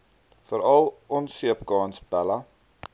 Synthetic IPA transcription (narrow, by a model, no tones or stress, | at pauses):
fəɾɐlˠɔnsiəpkɑːnsbælɐ